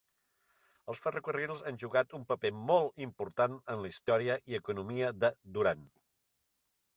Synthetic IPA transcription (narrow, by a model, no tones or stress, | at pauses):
əlˠsfərəkurilˠzanʲʒuɣat̪umpəpemɔlˠimpuɾt̪anənləist̪ɔɾiəʔiəkunumiəðəd̪uɾan